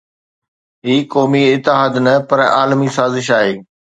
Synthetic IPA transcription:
ɦiːkɔːmiɪt̪ːɪɦaːd̪nɐpɐɾaːlmisaːzɪʃaːɦeː

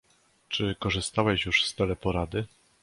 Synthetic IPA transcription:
t͡ʂɘkɔʐɘst̪awɛɕjuʂst̪ɛlɛpɔɾad̪ɘ

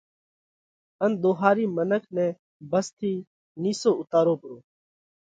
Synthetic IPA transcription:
ənɗ̪oːɦaːɾiːmənəkʰnɛ̃ː | bəst̪ʰiː | niːsoːʔʊt̪aːɾoːpəɾoː

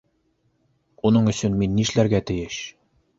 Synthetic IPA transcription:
unɤɴɵ̆sɵnminːiʃlæɾɡæt̪ɘ̆jɘʃ

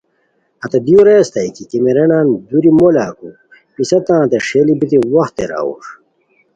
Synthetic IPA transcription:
ɐt̪ɐd̪iuɾeːst̪ɐjkikemeɾenaːnd̪uɾimolaːku | pisɐt̪ãːt̪eʂeːlibit̪iwɐxt̪ːḛɾa̰ːṵʂ

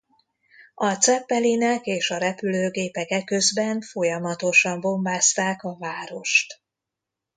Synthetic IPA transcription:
ɒt̪sɛpːɛlinɛkeːʃɒɾɛpyløːɡeːpɛkɛkːøzbɛɱfo̞jɒmɒt̪o̞ʃɒmbo̞mbaːst̪aːkɒvaːɾo̞ʃt̪

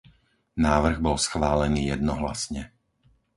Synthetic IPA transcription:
naːʋr̩ɣbɔlsxʋaːlɛniːjɛd̪nɔɦla̰sɲɛ

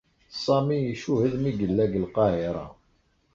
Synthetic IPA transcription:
sˤɑmijiʃuhəðmiɡəlːæɡəlqɑhiɾˤɑ̰

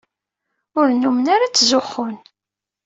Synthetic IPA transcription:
ʊɾnumənaɾat͡sːzʊχːʊn

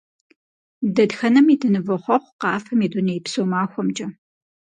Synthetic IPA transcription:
dɐdxɐnɐmidʰɨnɨvɐχʷɔχʷqɑːfɐmiːdunɐjpsoːmaːxʷɔmd͡ʒʼɐ

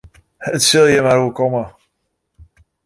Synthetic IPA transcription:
ətsɪlˠjəmaɾuəkɔmə

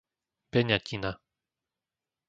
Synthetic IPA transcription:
bɛɲacina

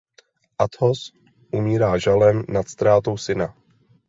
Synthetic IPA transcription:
ʔat̪hos | ʔumiːɾaːʒalɛmnat̪st̪ɾaːt̪o̞wsɪna

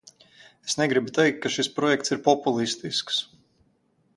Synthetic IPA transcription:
esnɛɡɾibut̪ɛjk̚t̪̚kːaʃispɾɔjɛkt̪siɾpɔpulˠist̪isks

